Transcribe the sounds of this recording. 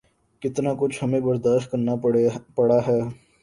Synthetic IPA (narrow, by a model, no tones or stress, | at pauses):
kɪt̪nakʊt͡ʃʰhɐmẽbɐɾd̪aːʃt̪̚kɐɾnapɐɽaɦɛː